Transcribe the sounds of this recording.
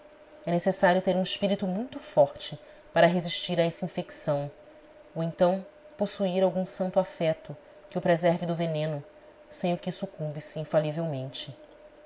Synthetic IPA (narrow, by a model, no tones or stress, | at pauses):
ɛnesesaɾjʊt̪eɾũiʃpiɾit̪umũj̃t̪ʊfɔɾt͡ʃɪ | paɾɐɦeziʃt͡ʃiɾaɛsɐĩfeksɐ̃w̃ | oẽnt̪ɐ̃w̃ | posuiɾawɡũsɐ̃nt̪ʊafɛt̪ʊ | kɪʊpɾezɛɾvɪd̪ʊvenẽnʊ | sẽj̃ʊkɪsukũmbisɪĩfalivewmẽnt͡ʃɪ